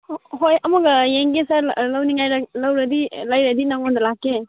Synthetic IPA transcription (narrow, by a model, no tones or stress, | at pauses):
ɦojɐmɐɡɐeŋɡesɐɾlɐwniŋajɾɐlɐwɾɐd̪ilajɾɐd̪inɐŋond̪ɐlakːe